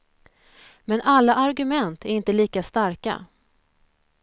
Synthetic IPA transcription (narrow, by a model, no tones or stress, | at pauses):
mɛnʔalːaʔaɾɡɵmɛnt̪ʰæɾɪnt̪əliːkast̪aɾka̰